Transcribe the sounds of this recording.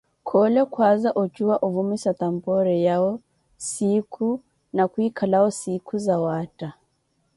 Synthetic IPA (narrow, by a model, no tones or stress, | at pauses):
kʰɔlɛkwazaʔɔt͡ʃuwaʔuvumisat̪ampɔɾɛjaɔ | sikʰu | nakwikʰalaɔsikʰuzawata